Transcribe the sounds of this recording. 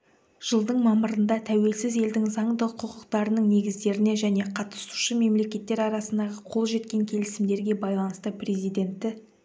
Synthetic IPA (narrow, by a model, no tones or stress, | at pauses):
ʒ̥əlˠd̪əɴmɑməɾənd̪ɑt̪ʰæwe̞lsɪze̞ld̪ɪŋzɑɴd̪əqʰʊqəqt̪ɑɾənəɴne̞ɡʲɪzd̪e̞ɾɪne̞ʒæne̞qʰɑt̪ə̥su̥ʃəme̞mle̞kʲe̞t̪ːe̞ɾɑɾɑsənd̪ɑʁəqʰo̞lˠʒe̞t̪̚kʲe̞ŋkʲʰe̞lɪsɪmd̪e̞ɾɡʲe̞bɑjlˠɑnəst̪əprʲe̞zijd̪e̞nt̪ːɪ